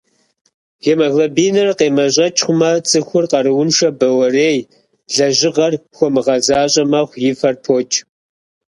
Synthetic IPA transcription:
jemɐɣlɐbiːnɨrqeːmɐʑʼɐt͡ʃʼχʷʊmɐt͡sʼɨxʷʊrqɐɾɨwʊnʂɐbɐwɐreːj | ɮɐʑɪʁɐrxʷɔmɨʁɐzaːɕʼɐmɐχʷjɪfɐrpʰoːt͡ʃʰʼ

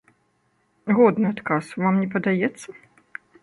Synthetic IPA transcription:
ɣɔd̪nɨat̪kasvamnʲɛpɐd̪ajɛt̪sːɐ

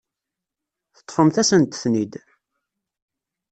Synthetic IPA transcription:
θə̥t̪ˤːfəmθæsənt̪θnid̪

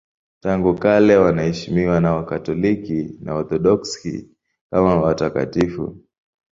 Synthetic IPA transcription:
taŋɡukalɛwanahɛʃimiwanawakatɔlikina̰ɔɾθɔɗɔkskḭ | kamawataka̰tifṵ

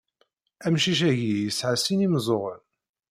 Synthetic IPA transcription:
æmʃiʃ̬æʝijəsʕasinimzˤoʁən

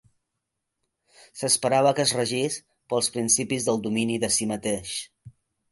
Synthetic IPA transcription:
səspəɾaβ̞əkəzrəʒis | pəlˠspɾinsipizðəlˠd̪uminiðəsimət̪eʃ

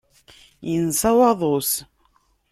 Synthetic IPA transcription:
jənsˤɑwɑðˤos

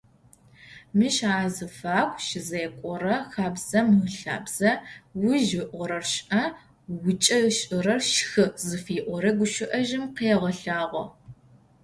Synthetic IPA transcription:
mɨʃaːzɨfaːxʷʃɪzɐjkʷʼɔɾɐxaːbz̥ɐmɬa̰ːbz̥ɐwʊʒɪʔʷɔɾɐrʃʔɐ | wʊt͡ʃʼɐʃʼɪɾɐrʃxɨzɨfiːʔʷɔɾɐɡʷʊʃɪʔɐʒɪmqeːʁɐɬaːʁʷɔ

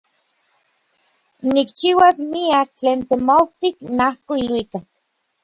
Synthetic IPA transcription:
nikt͡ʃiwasmiak̚t͡ɬeːnt̪emowt̪iknahkoilwikak̚

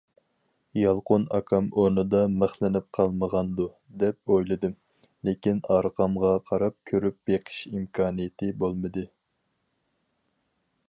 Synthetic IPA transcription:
jɑlˠqonɑ̰kʰɑmoɾnɨd̪ɑmæχlˠɪnɪp̚qʰɑlˠməʁɑnd̪u | d̪ɛp̚ojlˠɨd̪ɨm | lekʲinɑɾqʰɑmʁɑqʰɑɾɑp̚kʲʰøɾyp̚jeqʰə̥ʃimkʰɑːnijɪt̪ʰɪbolˠmɨd̪ɨ

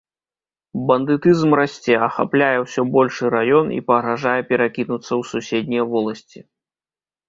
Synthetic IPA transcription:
bɐnd̪ɨt̪ɨzmrasʲt͡sʲɛɐxa̰plʲajɛwsʲɔbɔlʲʂɨɾajɔnḭpɐɣɾaʐajɛpʲɛɾakʲinut̪sːɐwsusʲed̪ʲnʲijvɔlˠɐsʲt͡sʲi

